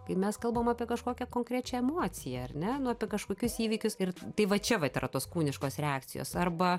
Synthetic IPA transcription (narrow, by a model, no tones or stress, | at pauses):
kɐɪmʲɛskɐlˠbɐmɐːpʲiɛkɐʃkoːkʲɛkoːŋkɾʲɛt͡ʃʲɛɛmoːt͡s̪ʲɪjɛɐrʲnʲɛnʊɐpʲiɛkɐʃkoːkʲʊsiːʋʲiːkʲʊsɪrt̪ɐɪʋɐt͡ʃʲɛʋɐt̪ɪɾɐt̪oːskuːnʲɪʃkoːsɾʲɛaːkt͡s̪ʲɪjo̰ːsɐrbɐ